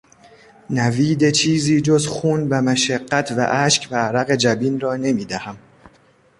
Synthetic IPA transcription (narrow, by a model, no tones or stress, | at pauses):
næviːd̪e̞t͡ʃʰiːziːd͡ʒo̞zxuːnbæmæʃæɢːæt̪ʰvæ̰ʔæːʃcʰbæːɾæɣe̞d͡ʒæbiːnrɒːne̞miːd̪æhæm